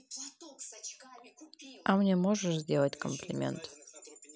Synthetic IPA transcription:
amnʲemoʐəʂzʲdʲelˠətʲkəmplʲɪmʲḛnt̪

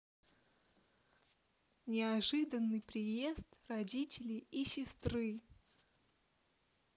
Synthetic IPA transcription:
nʲɪɐʐɨd̪ənːɨjpɾʲɪje̞st̪rɐdʲitʲɪlʲɪisʲɪst̪ɾɨ

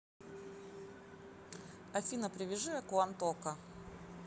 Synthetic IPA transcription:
ɐfʲinɐpɾʲɪvʲɪʐɨɐkʊant̪okɐ

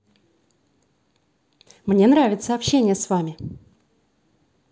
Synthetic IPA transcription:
mnʲe̞nɾavʲɪt̪səɐpɕːenʲɪjəsvamʲɪ

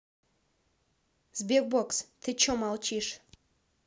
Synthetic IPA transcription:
zbʲek̚bokst̪ʰɪt͡ʃomɑlˠt͡ʃiʃ

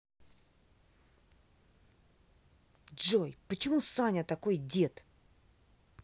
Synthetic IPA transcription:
ʐojpət͡ɕɪmusanʲət̪ɐkojdʲe̞t̪

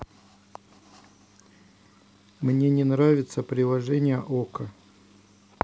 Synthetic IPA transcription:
mnʲenʲɪnɾavʲɪt̪səpɾʲɪlˠɐʐɛnʲɪjəʔokə

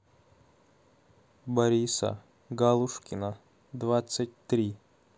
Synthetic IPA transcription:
bɐɾʲisə̰ | ɡalˠuʂkʲɪnə | d̪vat̪sɨt̚ʲt̪ɾʲi

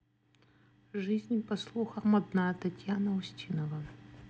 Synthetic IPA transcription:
ʐɨzʲnʲpɐslˠuxɐmɐd̪nat̪ɐtʲjanɐusʲtʲinɐvɐ

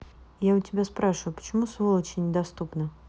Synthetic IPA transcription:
jaʊtʲɪbʲaspɾaʂəvʊpə̥t͡ɕɪmusvolˠət͡ɕɪnʲɪd̪ɐst̪upnə

